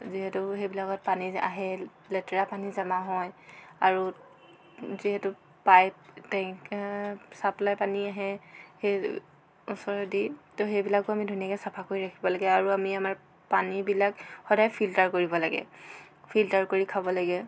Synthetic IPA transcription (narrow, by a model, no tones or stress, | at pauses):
ziɦɛtʊɦebilakɔt̚pania̰ɦɛ | lɛtɛɹapanizamaɦɔjaɹu | ziɦɛtʊ | pajp̚tɛ̃ksaplajpaniaɦɛhe | usɔɹɔditoxejbilak̚ʊamidʱoniakɛsapʰakoɹiɹakʰibɔlaɡɛaɹuamiamaɹ | panibilakxɔdajpʰiltaɹkoɹibɔlaɡɛ̰ | pʰiltaɹkoɹikʰabɔlaɡɛ